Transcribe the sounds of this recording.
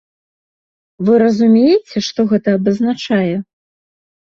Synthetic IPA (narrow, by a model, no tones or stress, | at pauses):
vɨɾɐzumʲejɛt͡sʲɛʂt̪ɔɣɛt̪ɐːbɐznat͡ʂajɛ